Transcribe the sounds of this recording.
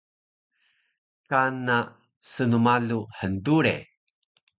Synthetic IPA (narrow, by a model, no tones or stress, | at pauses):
kana | sənumaluħənduɾḛ